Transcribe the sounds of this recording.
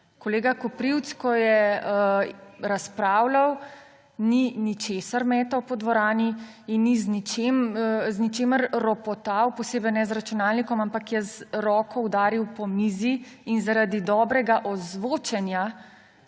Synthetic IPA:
koɔleːɡakɔpɾiwt̪skɔjɛəɾaspɾaːwlaw | ninit͡ʃeːsaɾmɛːt̪ɔwpɔd̪ʋɔɾaːni | inːiznit͡ʃeːmznit͡ʃeːməɾɾɔpɔt̪aːwpɔseːbɛjnɛzɾat͡ʃunaːlnikɔmampakjɛzɾɔːkɔwd̪aːɾiwpɔmiːziːnzaɾad̪id̪ɔːbɾɛɡaʔɔzʋoːt͡ʃɛnja

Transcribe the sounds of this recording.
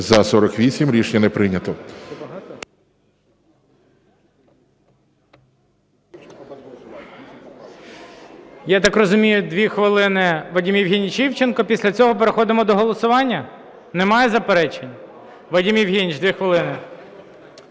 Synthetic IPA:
zɐsɔɾɔkʋʲisʲimɾʲiʃnʲɐnɛpɾɪnʲɐt̪ɔ | jat̪ɑkrɔzʊmʲijʊd̪ʋʲixʋɪlˠɪnɪʋɐdʲimjiwɦʲinʲit͡ʃiwt͡ʃenkɔpʲisʲlʲɐt͡sʲɔɦɔpeɾexɔd̪ɪmɔd̪ɔɦɔlˠɔsʊʋɑnʲːɐ | nemɑjɛzɐpeɾɛt͡ʃenʲ | ʋɐdʲimjiwɦʲinʲit͡ʃd̪ʲʋʲixʋɪlˠɪnɪ

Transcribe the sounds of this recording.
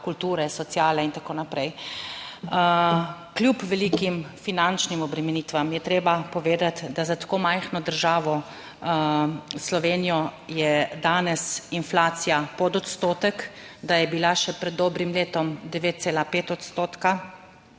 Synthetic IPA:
kult̪uːɾɛsɔt̪sjaːlɛint̪akoːnapɾɛj | klʲjupʋɛliːkimfinant͡ʃnimɔbɾɛmɛniːt̪ʋamjɛt̪ɾeːbapɔʋeːd̪at̪d̪azat̪ḁkoːmajxnɔd̪əɾʒaːʋɔ | slɔʋeːnijɔjɛd̪aːnɛsinflaːt̪sijapɔd̪ɔt̪st̪oːt̪ɛkd̪ajɛbilaʃɛpɾɛd̪ːɔːbɾimleːt̪ɔmd̪ɛʋeːt̪̚tseːlapeːt̪ɔt̪st̪oːt̪ka

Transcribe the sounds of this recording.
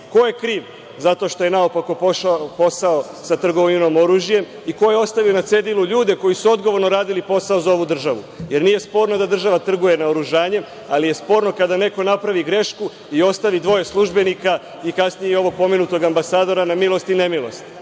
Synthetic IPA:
ko̞je̞kɾiːʋ | zat̪o̞ʃt̪o̞je̞naopako̞poʃapo̞saosat̪r̩ɡoʋoɲunomo̞ɾuːʒije̞m | iko̞je̞o̞st̪aʋio̞nat̪se̞d̪iluʎuːd̪e̞ko̞jisuo̞d̪ɡo̞ʋo̞ɾnoɾaːd̪ilipo̞sao̞zao̞ʋud̪r̩ʒaʋṵ | je̞ɾniːje̞spo̞ːɾno̞d̪ad̪r̩ʒaʋat̪r̩ɡuje̞naoɾuʒaːɲe̞m | alije̞spo̞ːɾno̞kad̪ane̞ko̞napɾaʋiɡɾe̞ʃku | io̞st̪aʋid̪ʋo̞je̞slˠuʒbe̞nika | ikasnijeio̞ʋo̞ɡ̚po̞menut̪o̞ɡambasaːd̪o̞ɾanamilˠo̞st̪ine̞milˠo̞st̪

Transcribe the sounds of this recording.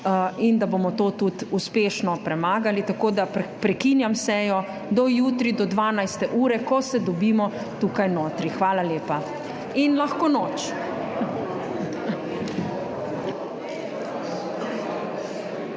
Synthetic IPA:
ind̪abomɔt̪oːt̪ut̪uspeːʃnɔpɾɛmaːɡalit̪akoːd̪apɾɛkinjamsɛjɔ | d̪ɔjuːt̪ɾid̪ɔd̪ʋaːnajst̪ɛʔuːɾɛkɔsɛd̪ɔbiːmɔ | t̪uːkajnoːt̪ɾixʋaːlaljeːpa | inlaxkonɔːt͡ʃ

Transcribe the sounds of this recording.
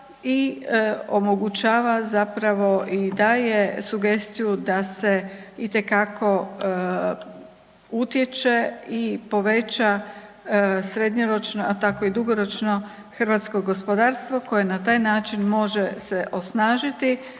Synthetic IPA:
i | o̞mo̞ɡut͡ɕaːʋazapɾaʋo̞ʔid̪aːje̞suɡe̞st̪ijud̪aseit̪e̞kakʰo̞ | ut̪je̞t͡ʃe̞ipo̞ʋe̞t͡ʃa | sɾe̞d̪ɲoɾo̞t͡ʃnoat̪ako̞id̪uɡo̞ɾo̞t͡ʃno̞ | xrɾ̩ʋat̪sko̞ɡo̞spo̞d̪aːɾst̪ʋo̞ko̞je̞nat̪aːjnaːt͡ʃinmo̞ʒe̞seʔo̞snaːʒit̪i

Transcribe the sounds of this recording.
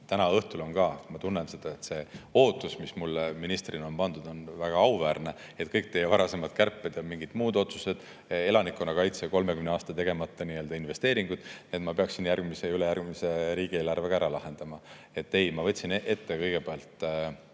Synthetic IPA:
t̪ænɑɤht̪ulo̞nkɑmɑt̪unːense̞d̪̥ɑe̞t̪seo̞ːt̪ːˑusmismulːminist̪rino̞npɑnd̪̥ud̪̥o̞nvæɡ̥ɑɑuvæːrne̞ | e̞t̪̚kɤjk̚t̪e̞jːevɑɾɑse̞mɑd̪̥̚kærpːˑed̪̥jɑmiŋɡid̪̥muːd̪o̞t̪su̥se̞d̪̥ | e̞lɑnikːˑo̞nːɑkɑjt̪seko̞lme̞kymneɑːst̪ɑt̪e̞ɡ̥e̞mɑt̪ːˑɑniø̞ld̪ɑinve̞st̪e̞ːɾiŋɡ̥ud̪̥net̪mɑpe̞ɑksinjæɾɡ̥mise̞ylejærɡmise̞ɾiːɡ̥ie̞ːlɑrve̞kɑæɾɑlɑɦe̞nd̪̥ɑmɑ | e̞t̪ːe̞jmɑvɤtʲsinʔe̞t̪ːe̞kɤjɡe̞peɑlt̪

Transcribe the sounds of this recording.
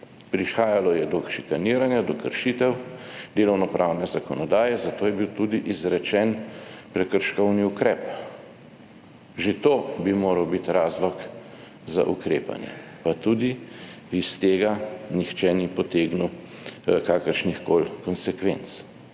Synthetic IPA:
pɾiʃxaːjalɔjɛd̪ɔʃikaniːɾanjad̪ɔkəɾʃit̪ɛwd̪eːlɔwnɔpɾʔawnɛzakɔnɔd̪aːjɛzat̪oːjɛbiwt̪ud̪iʔizɾɛt͡ʃɛnpɾɛkəɾʃkɔwniukɾɛːp | ʒet̪oːbimoːɾɐwbit̪ɾaːzlɔk | za̰ʔṵkɾeːpa̰njɛ̰ | pat̪ud̪i | ist̪eːɡanixt͡ʃɛnipɔt̪eːɡnu | kaːkəɾʃnixkoːlkɔnsɛkʋent̪s

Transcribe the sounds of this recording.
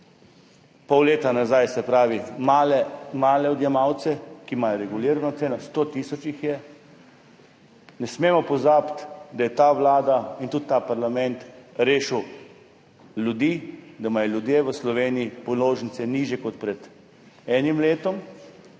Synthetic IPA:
pɔwleːt̪anazajsɛpɾaːʋimalɛmaːlɛɔd̪jɛmawt̪sɛkimajɔɾɛɡuliɾanat̪seːnɔst̪oːt̪isɔt͡ʃixjɛ | nɛsmeːmɔpɔzapt̪d̪ajɛt̪aʋlaːd̪aint̪ut̪ːapaɾlamɛnt̪ɾeːʃəw | lʲjud̪iːd̪amajɛljud̪jeʋəslɔʋeːnijipɔloːʒn̩it̪sɛniʒjɛkɔt̪pɾɛd̪ | ɛːnimleːt̪ɔm

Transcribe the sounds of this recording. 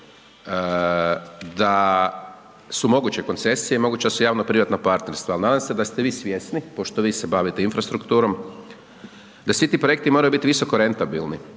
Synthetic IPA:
d̪a | sumo̞ɡut͡ɕe̞ko̞nt̪se̞sijemo̞ɡuːt͡ɕeasujaːʋnopɾiʋat̪nopaɾt̪neɾst̪ʋalnaːd̪amse̞d̪ast̪eʋiːsʋʲjesnipo̞ʃt̪oʋiːsebaʋit̪einfɾast̪ɾukt̪uːɾo̞m | d̪asʋit̪iːpɾo̞jek̚t̪imo̞ɾajubit̪iʋiso̞ko̞ɾe̞nt̪abilˠni

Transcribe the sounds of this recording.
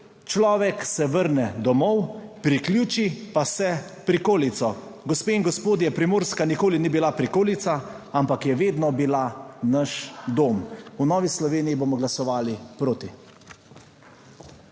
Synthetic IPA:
t͡ʃlɔːʋɛksɛʋəɾnɛd̪ɔmɔwpɾiklʲjuːt͡ʃipasɛpɾikoːlit̪sɔɡɔspeːiŋɡɔspoːd̪jɛpɾimoːɾskanikoːlinibilapɾikoːlit̪sa | ampakjɛʋeːd̪nɔbilanaʃd̪oːmunɔːʋislɔʋeːnijibomɔɡlasɔʋaːlipɾoːt̪i

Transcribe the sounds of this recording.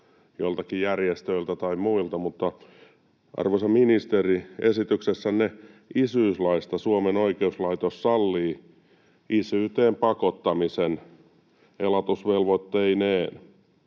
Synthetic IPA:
jolt̪ɑkijærjest̪øilt̪æt̪ɑimmuilt̪ɑmut̪ːɑ | ʔɑ̰rʋosɑminist̪eriesit̪yksesːænneisyislɑist̪ɑsuomenoikeuslɑit̪ossɑlːiː | isyːt̪eːmpɑkot̪ːɑmisen | elɑt̪usʋelʋot̪ːeineːn

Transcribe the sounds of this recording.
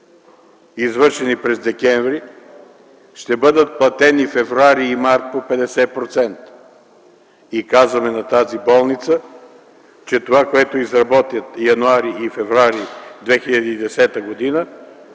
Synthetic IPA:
izvɤɾʃɛnipɾɛzd̪ɛkɛɱvɾi | ʃt̪ɛbɤd̪ət̪̚plˠɐt̪ɛnifɛvɾoaɾiːmaɾt̪̚popɛd̪ɛsɛpɾot̪sɛnt̪ | ikazvɐmɛnɐt̪azibɔlˠnit̪sə | t͡ʃɛt̪ovakoɛt̪oizɾɐbɔt̪ʲjət̪jɐnuaɾiifɛvɾaɾid̪vɛxiʎʲɐd̪iːd̪ɛsɛt̪əɡod̪inə

